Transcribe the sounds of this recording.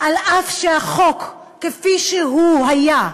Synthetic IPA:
ʔalʔafʃeaχokː | efiʃeɦuɦaja

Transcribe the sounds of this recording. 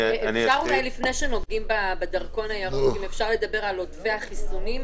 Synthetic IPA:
efʃaʁunajlifneʃenoɡɡimbabed̪ɐʁko̞najaʁuimefʃaʁle̞d̪abe̞ʁalodvehaχisunim

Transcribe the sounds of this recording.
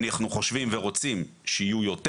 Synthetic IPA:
naχnuχo̞ʃvimveʁo̞t͡simʃeijujo̞t

